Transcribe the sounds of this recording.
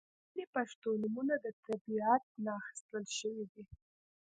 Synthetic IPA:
lipaʂt̪onumunad̪ət̪abiat̪̚nɑːxi̥st̪əlʃəwid̪i

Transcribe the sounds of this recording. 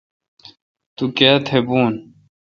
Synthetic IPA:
t̪ukaːt̪ʰebuːn

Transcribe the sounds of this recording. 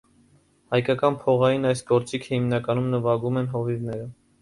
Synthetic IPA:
hɑjkɑkɑnpʰɔʁɑjinɑjsɡɔɾt͡sikʰəhimnɑkɑnumnəvɑɡumɛnɦɔvivnɛɾə

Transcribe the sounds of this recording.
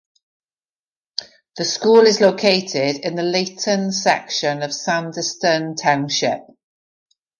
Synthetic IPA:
ðəskuːlɪzloʊkʰeɪtʰɪdɪ̃nðəleɪʔənsɛ̰kʃə̃nəv̥sãndəstə̃ntʰãʊ̃nʃɪp̚

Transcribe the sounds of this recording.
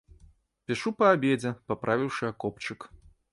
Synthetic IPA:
pʲiʂupɐabʲed͡zʲɛpapɾʔavʲiwʂɨakɔpt͡ʂɨk

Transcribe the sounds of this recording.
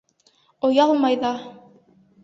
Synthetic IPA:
ŏjɑlˠmɑjðɑ

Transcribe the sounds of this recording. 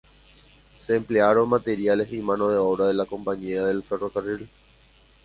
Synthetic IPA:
sẽːmpleaɾõ̞nmat̪e̞ɾiale̞sĩmãno̞ðe̞oβɾaðe̞lakõ̞mpaɲĩaðe̞lfe̞ro̞karil

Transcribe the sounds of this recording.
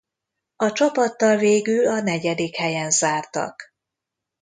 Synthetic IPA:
ɒt͡ʃɒpɒt̪ːɒlveːɡylɒnɛɟɛd̪ikhɛjɛnzaːrt̪ɒ̰k

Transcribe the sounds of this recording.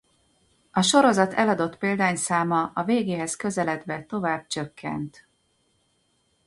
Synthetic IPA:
ɒʃo̞ɾo̞zɒt̪ɛlɒd̪o̞t̪peːld̪aːɲsaːmɒɒveːɡeːɦɛskø̞zɛlɛd̪bɛt̪o̞vaːb̥̚t͡ʃø̞kʰːɛ̰nt̪

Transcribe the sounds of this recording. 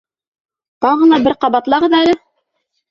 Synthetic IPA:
t̪ɑʁɤ̆nɑbɘɾqɑβɑt̪lˠɑʁɤðælɘ

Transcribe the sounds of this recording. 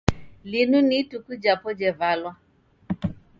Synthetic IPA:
linunitukud͡ʒapɔd͡ʒɛvalwa

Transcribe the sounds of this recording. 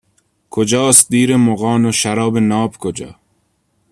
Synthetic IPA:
kʰod͡ʒɑːst̪̚d̪iːɾemoɣɑːnoʃaɾɒːbenɒːbkʰod͡ʒɒ̰ː

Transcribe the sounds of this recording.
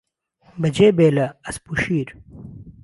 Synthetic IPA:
bɐd͡ʑeːbeːlɐɐspuɕiːɾ

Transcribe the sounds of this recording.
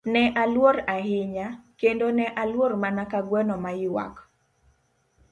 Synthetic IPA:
nɛʔalwoɾaɦɪɲakendonɛʔalwoɾmanakaɡwɛnɔmajɪwa̰k

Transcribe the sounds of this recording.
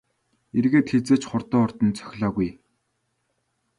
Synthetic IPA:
erɣeːt̪xet͡seːt͡ɕχʊrt̪ɔːɔrt̪ɞ̆nt͡sʰœ̥xʲɮaːɣuj

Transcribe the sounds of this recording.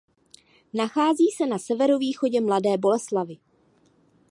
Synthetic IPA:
naxaːziːsɛnasɛvɛɾoviːxo̞ɟɛmladɛːbo̞lɛslavɪ

